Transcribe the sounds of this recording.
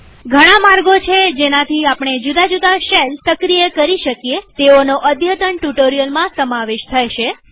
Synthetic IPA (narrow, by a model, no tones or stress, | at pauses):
ɡʱəɽ̃ãmaɾɡot͡ʃʰed͡ʒenat̪ʰiapɳ̃ed͡ʒud̪ad͡ʒud̪aʃelsəkɾijəkəɾiʃəkjet̪eonoʔəd̪ʱjət̪əɳʈuʈoɾijəlmãsəmaʋeʃt̪ʰəjʃe